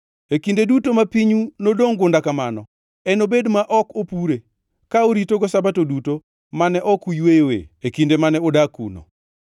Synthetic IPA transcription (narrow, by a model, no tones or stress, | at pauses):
ekindedutomapiɲunodoŋɡʊndakamanɔ | ɛnobedmaʔɔkopuɾe | kaoɾitoɡɔsabatoduto | manɛʔɔkujwewḛekindemanɛodakṵno̰